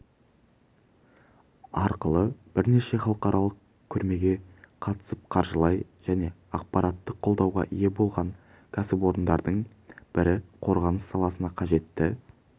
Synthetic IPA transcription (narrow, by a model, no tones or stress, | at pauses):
ɑɾqəlˠəb̥ɪɾne̞ʃe̞χɑlˠəqɑɾʔɑlˠəq̚ | kʲʰʏɾme̞ɡʲe̞qʰɑt̪ə̥səp̚qʰɑɾʒəlˠɑjʒ̥æne̞ɑq̚pɑɾɑt̪ːəqʰo̞lˠd̪ɑwʁɑ̰ʔije̞bo̞lˠʁɑŋ | kʲʰæsɪpo̞ɾənd̪ɑɾd̪əɴ | b̥ɪɾɪqʰo̞ɾʁɑnəsːɑlˠɑsənɑqʰɑʒe̞t̪ːɪ